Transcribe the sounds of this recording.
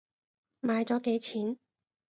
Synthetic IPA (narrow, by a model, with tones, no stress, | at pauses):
maː˨˧jt͡sɔː˨˥ke˨˥jt͡sʰiː˨˥n